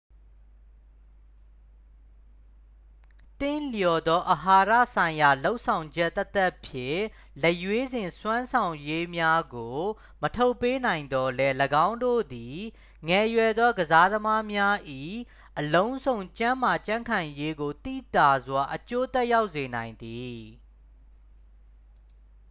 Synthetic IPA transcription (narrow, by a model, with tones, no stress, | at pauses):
t̪ɪ̃˦˨ljɔ˨d̪ɔ˦ʔəɦa˨ɾä̰˦˨sã˨ɪ̃ja˨lo˦ʊʔsʰã˨ʊ̃ɲd͡ʑɛ˦ʔt̪ːɛ˦t̪ɛ˦ʔpʰjɪ̰̃˦˨ | lɛ˦˨ʔjwe˦zɪ̃˨nswã˦nsʰã˨ʊ̃je˦mja˦ɡo˨ | mətʰo˦ʊpːe˦nã˨ɪ̃nd̪ɔ˦lɛ˦ləɡã˦ʊ̃ndo̰˦˨d̪i˨ | ŋɛ˨jwɛ˨d̪ðɔ˦ɡəza˦d̪əma˦mja˦ʔi˦˨ | ʔəlõ˦ʊ̃nzõ˨ʊ̃ɲt͡ɕã˦ma˨t͡ɕã˦ŋkʰã˨je˦ɡo˨t̪ḭ˦˨t̪a˨zwa˨ʔət͡ɕo˦t̪ɛ˦ʔja˦ʊʔse˨nã˨ɪ̃nd̪i˨